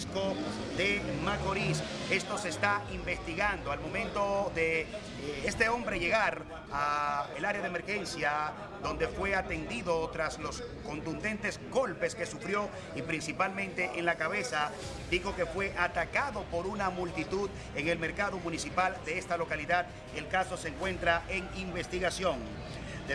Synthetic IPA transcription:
skoðe̞mako̞ɾise̞st̪o̞se̞ːst̪aimbest̪iɣand̪oalmõ̞mẽ̞nt̪o̞ðe̞ | est̪e̞o̞mbɾeʝe̞ɣaɾ | aelaɾeaðeme̞ɾxe̞nsja | d̪o̞nd̪e̞fwe̞at̪e̞nd̪iðo̞t̪ɾaslo̞s | ko̞nt̪und̪e̞nt̪e̞zɡo̞lpe̞ske̞sufɾjo̞ | ipɾinsipalmẽnt̪e̞ʔenlakaβe̞sa | d̪ixo̞ke̞fwe̞ʔat̪akaðo̞po̞ɾunamult̪it̪uð | e̞ŋe̞lme̞ɾkaðo̞mũnisipald̪eest̪alo̞kaliðað | e̞lkaso̞seŋkwẽ̞nt̪ɾaʔe̞ŋimbe̞st̪iɣasjo̞ŋ | d̪e

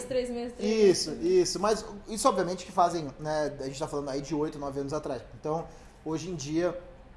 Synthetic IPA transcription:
t̪ɾezmeɾisʊisʊmɐzisʊɔbviɐmẽnt͡ʃɪ̥kɪfazẽj̃nɛaɐʒẽt͡ʃɪt̪afalɐ̃nd̪aid͡ʒɪojt̪ʊnɔvɪɐ̃nʊzat̪ɾasẽnt̪ɐ̃w̃ | oʒẽj̃d͡ʒiɐ

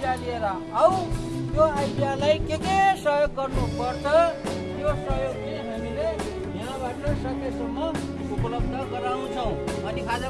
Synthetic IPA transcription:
ad̪ieɾa | au | joajɖijalaikekesʌɦjoɡ̚kʌɾnupʌɾt͡ʃʰʌ | josʌɦjoɡeememile | ɦiãbaʈesʌd̪esəmːʌ | upələb̚d̪ʱəkəɾanũt͡ʃʰʌũ | əniad͡zə

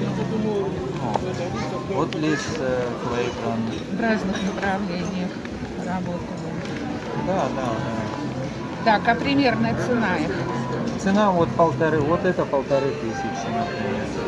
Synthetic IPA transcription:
a | vot̪lʲiʂssvɐiɡɾanːɨxvraznɨxnəpɾɐvlʲenʲɪjəx | rɐbo̞t̪ɨbɨ | d̪ad̪ad̪a | t̪akɐpɾʲɪmʲe̞rnəjət̪sɨnaixt̪sɨnamvot̪pəlˠt̪ɐɾɨvot̪ɛt̪əpəlˠt̪ɐɾɨt̪ɨsʲɪt͡ʃʲsɨnapɾʲɪmʲer

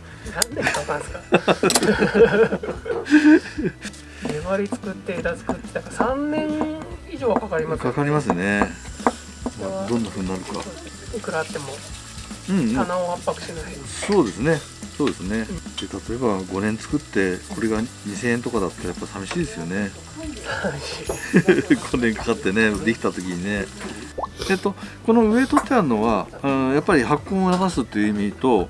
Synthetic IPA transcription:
nand̪ekakaɾɯka | meβaɾʲit͡sɨ̥kɯ̟t̪ːe̞d̪at͡sɨ̥kɯt̪ːd̪akasãnnẽ̞ɰ̃iʑo̞ːɡakakaɾʲimakkakaɾʲimas̬ɨne̞ | mad̪õ̞nːaɸɯ̟ːɲ̟inaɾɯ̟ka̰ | okɯ̟ɾat̪ːe̞mo̞ | ɯ̟̃ɴɯ̃anaohapːakɯ̟̥ɕenaiso̞ːd̪e̞sɨne̞ | so̞ːd̪e̞sɨne̞d̪et̪ʰat̪o̞e̞baɡo̞nẽ̞nt͡sɨ̥kɯ̟t̪ːe̞ko̞ɾe̞ɡaɲ̟isẽ̞ːẽnt̪o̞kad̪at̪ːaɾajapːaisabʲiɕiːd̪e̞sɨjo̞ne̞ | smiɕi | ɡonẽŋkḁkat̪ːe̞ne̞d̪e̞kʲi̥t̪at̪o̞kʲiɲ̟ine | et̪ːo̞ko̞no̞ɯ̟e̞t̪o̞t̪ːeaɾɯ̟no̞βa | japːaɾʲihakːõ̞ɰ̃onaɡasɨt̪ːe̞jɯ̟imʲit̪o̞

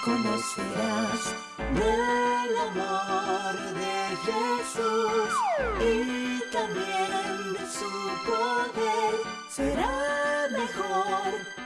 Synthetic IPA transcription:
komoseɾas | d̪elamoɾ | ðeʒesusit̪ãmbjẽnd̪esupoðeɾ | seɾamexoɾ

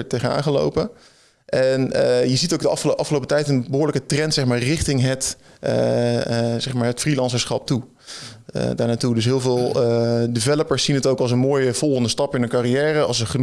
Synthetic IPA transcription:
tejχəna̰ːŋχəlo̰wpə | ʔɛnjəzitowɡdəɑ̰fχʔɑfχəlowpətɛjtənbəɦʊːɹləkətrɛntsɛχmaːɹrɪχtɪŋɦət | z̥ɛχmaːɹɦətfrilɑnsəsχɑp̚tu | ə̰daːɹnaːtudɵs̬ɦɪːlˠvɪːlˠdivɛləpəɹsːinɦətowkɑlˠs̬ənmoːjəv̥ɔlˠχəndəstɑpɪnɦənkarijɛːrəɑlˠsəχən

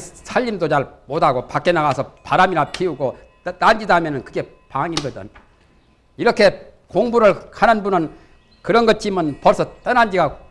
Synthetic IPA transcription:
sʰaʎːimdot͡ɕaɭmodaɡopak͈enaɡasʰʌpaɾamiɾapʰiuɡo | t͈and͡ʑidamjʌnɯnkɯɡe̞ | paŋiɡʌdʌ̰n | iɾʌkʰe̞ | koŋbuɾɯɭkʰanɯnbunɯn | kɯɾʌnɡʌt͡ɕ͈imʌnpʌɭsʰʌt͈ʌnand͡ʑiɡa

